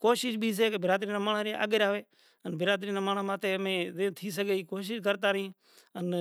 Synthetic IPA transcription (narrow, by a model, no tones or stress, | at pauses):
koːʃɪʃbʱiːs̬eːkebɪɾaːd̪ɾiːnãːmaːɳaːɾeːa̰ːɡɾaːʋeː | ənbɪɾaːd̪ɾiːnaːmaːɳaːmãːt̪eːmẽːzẽːt̪ʰiːs̬əɡeːiːkoːʃ̬ɪʃkəɾt̪aːɾəɦĩː | ən